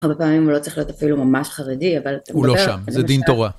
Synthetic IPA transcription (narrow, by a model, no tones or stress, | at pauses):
aʁbe̞paːmimulo̞t͡saɐʁiχlio̞tafilumamaʃχaʁediavalat̪amuɡloʃamzɛd̪int̪oʁa